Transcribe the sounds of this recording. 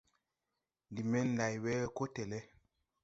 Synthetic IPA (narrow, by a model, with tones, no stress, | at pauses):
n˨di˨mɛ˦n̩˦da˨jwɛ˦˨ko˦tɛ˨lɛ˦